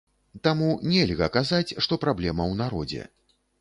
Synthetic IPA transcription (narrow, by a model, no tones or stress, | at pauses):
t̪amunʲɛlʲɣɐkazat͡sʲʂt̪ɔpɾablʲɛmɐwnaɾɔd͡zʲɛ̰